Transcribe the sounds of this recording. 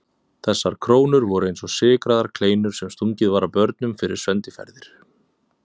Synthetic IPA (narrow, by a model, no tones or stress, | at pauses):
θɛsːaɾ̥kʰɾoːwnʏɾvɔɾʏejnsɔsɪːkɾaðaɾ̥kʰleːjnʏɾ̥sɛmst̪uɲcɪðvaːɾapœɾt̪̚nʏmfɪɾɪɾ̥svɛnt̪ɪfɛ̰ɾðɪɾ̥